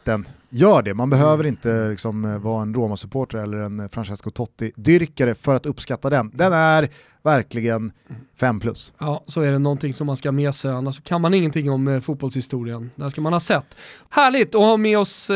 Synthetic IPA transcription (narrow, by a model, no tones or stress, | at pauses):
d̪̥ɛn | jœːɖɛmanbɛɦøːvəɾɪnt̪əlɪksɔmvɑːɛnɾoːmasɵpʰoːʈaɾɛlːəɾɛnfɾanɕɛskʊt̪ʰɔt̪ːɪd̪ʏɾkaɾəfœɾat̪ɵpːskat̪ːad̪ɛnd̪ɛnæɾ | væɾklɪɡənfɛmːpʰlɵ̰sjɑːsɔæɖɛnɔnt̪ɪŋsɔmːanskameːsɛjanːaʂːɔkʰanmanɪŋːənt̪ʰɪŋːɔmfuːt̪̚bɔlshɪst̪uːɾɪənd̪æʂkamanhɑːsɛt̪ːhæːɭɪɡt̪ɔhɑːmɛːɔs